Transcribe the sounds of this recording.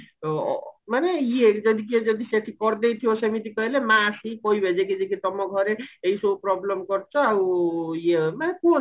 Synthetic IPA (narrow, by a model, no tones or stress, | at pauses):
manejed͡zʌd̪iked͡zʌd̪iset̪ʰikʌrd̪ejt̪ʰijosʌmit̪ikʌilemãːsikʌibʱed͡zeked͡zekit̪ʌmʌɡʱʌɾeejsoprɔblʌmɡʌrt͡sʰʌːwjemako